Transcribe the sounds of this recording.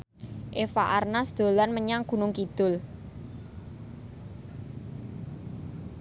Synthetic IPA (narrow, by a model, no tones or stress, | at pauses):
ʔefa̰ʔarnasd̪̥o̤lanməɲaŋɡ̥ṳnʊŋkid̪̥ʊl